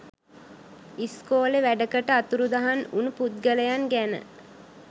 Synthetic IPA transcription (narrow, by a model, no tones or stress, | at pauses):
iskoːleʋæɖəkəʈəat̪uɾud̪aɦanunuput̪̚ɡələjanɡænə̰